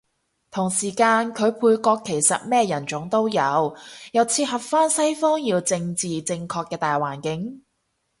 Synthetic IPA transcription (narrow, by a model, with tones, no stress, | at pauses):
t̪ʰʊ˨˩ŋsiː˨˩kaː˧nkʰɵ˨˧ɥpʰuː˧jkʷɔː˧kʰːe˨˩jsɐ̰˨t̚mɛː˥jɐ˨˩nt͡ʃʊ˨˥ŋt̪o˥wjɐ˨˧wjɐ˨˧wt͡sʰiː˧tɦɐ˨pfaː˥nsɐ˥jfɔː˥ŋjiː˧wt͡sɪ˧ŋt͡siː˨t͡sɪ˧ŋkʰɔː˧kːɛː˧t̪aː˨jwaː˨˩nkɪ˨˥ŋ